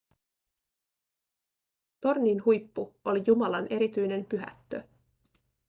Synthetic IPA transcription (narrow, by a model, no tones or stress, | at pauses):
t̪o̞rniːnɦujpːuo̞lijumɑlɑnʔe̞ɾit̪yjne̞mpyɦæ̰t̪ːø̞